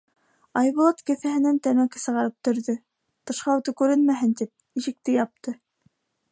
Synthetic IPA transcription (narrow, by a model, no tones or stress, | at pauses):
ɑjβŭlˠɑt̪kɘ̆θæhɘ̆nænt̪æmækɘsɤ̆ʁɑɾɤp̚t̪ɵ̆ɾðɵ | t̪ɤ̆ʃqɑut̪ɤkʉɾɘnmæɦɘnt̪ip̚ | iʃɘ̆k̚t̪ɘjɑp̚t̪ɤ